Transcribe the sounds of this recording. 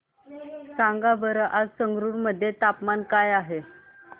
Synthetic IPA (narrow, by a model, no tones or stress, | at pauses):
saŋɡabəɾəʔad͡zsəŋɡɾuɾməd̪ʱːjet̪apmankajaɦe